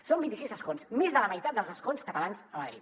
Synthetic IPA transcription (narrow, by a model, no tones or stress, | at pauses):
sombint̪isizəskonsmezðələməjt̪at̪̚d̪əlˠzəskonskət̪əlansəməðɾḭt̪